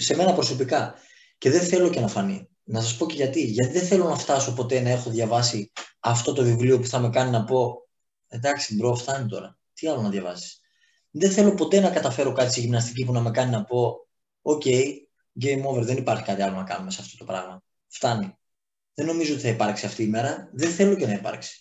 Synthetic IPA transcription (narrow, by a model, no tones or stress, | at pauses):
se̞me̞nɐpɾo̞so̞pikɐ | ce̞ðe̞θe̞lo̞ce̞nɐfɐnḭ | nɐs̬ɐspo̞ce̞ʝɐt̪iʝɐt̪iðenθe̞lo̞nɐft̪ɐso̞po̞t̪e̞nɐe̞xo̞ðʝɐvɐsiɐft̪o̞t̪o̞vivlio̞puθɐme̞kɐninɐpo̞ | end̪ɐksibɾo̞ft̪ɐnit̪o̞ɾɐ | t̪iɐlo̞nɐðjʝɐvɐ̰si̥s | ðenθe̞lo̞po̞t̪e̞nɐkɐt̪ɐfe̞ɾo̞kɐt̪i̥siʝimnɐst̪icip̬unɐme̞kɐninɐpo̞ | oce̞j | ɟe̞jmo̞veɾðenipɐɾçi̥kɐt̪iɐlo̞nɐkɐ̰nume̞seɐft̪ot̪o̞pɾɐ̰ɣmɐ | ft̪ɐni | ðe̞nːo̞mizoot̪iθɐipɐɾksiɐft̪iːme̞ɾɐðeθe̞lo̞ce̞nɐipɐ̰ɾksi̥